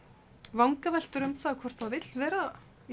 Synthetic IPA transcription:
vawŋkavɛl̥t̪ʏɾʏmθaðkʰvɔr̥t̪θaðvɪt̪lvɛːɾa

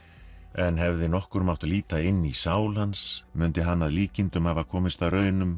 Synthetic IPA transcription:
ɛnɦɛvðɪnɔhkʏɾmawht̪liːt̪aɪnːisaːwlansmʏnt̪ɪɦanːaðliːcɪnt̪ʏmhavakʰɔːmɪst̪awrœːɥjnʏm

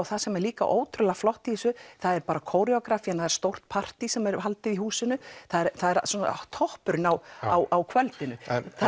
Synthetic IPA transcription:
wθasɛmɛɾliːka̰ʔo̰ːwt̪ɾʏlaflɔht̪sʏθaðɛɾpaːɾakʰoːwɾɛɔkɾafiɛnaθaðɛɾ̥st̪owr̥t̪̚pʰar̥t̪isɛmɛɾɦalt̪ɪvihuːsɪnːʏθaðɛɾθaðɛɾasɔnat̪ʰɔhpʏɾnawawʔawkʰvœlt̪ɪnʏ

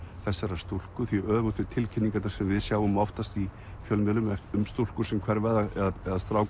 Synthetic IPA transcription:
θɛsːɛɾast̪ul̥kʏθviœːðvʏt̪ʏt̪ʰɪlcʰɪnːiŋkat̪naɾ̥sɛmvɪðsjaːwʏmɔft̪ast̪i | fjœlmɛlʏmɛʏmst̪ulkʏɾ̥sɛmkʰvɛɾvɛðaɛðaɛðast̪ɾaːw

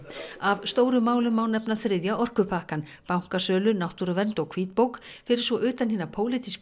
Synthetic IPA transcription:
avst̪oːwɾʏmaːwlʏmawnɛpnaθɾɪðjaʔɔr̥kʏpʰahkan | pawŋ̥kasœːlʏnawht̪uɾavɛnt̪ɔɣkʰviːt̪̚poːwkfɪɾɪɾ̥svɔʔʏːt̪anɦiːnapʰoːwlɪt̪isk

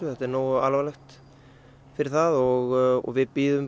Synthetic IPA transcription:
ʏθɛht̪ɛɾnoːwalvalɛxt̪ | fɪɾɪɾθaðɔɣɔ̰ɣvɪðpiːðʏm

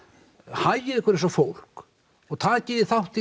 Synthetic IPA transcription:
hajɪɾehkvəɾɛsɔfowl̥k | ɔɣt̪ʰaðcɛðɪθawht̪θi

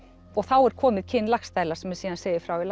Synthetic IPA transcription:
ɔɣθawɛɾ̥kʰɔːmɪðcʰɪnːlaxst̪aːjlaɾ̥sɛmɛɾ̥siːðanseːjðɪfɾawɪla

